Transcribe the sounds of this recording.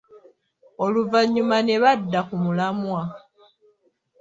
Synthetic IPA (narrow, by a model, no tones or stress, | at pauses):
o̞luvaɲːumane̞βadːakumulamwa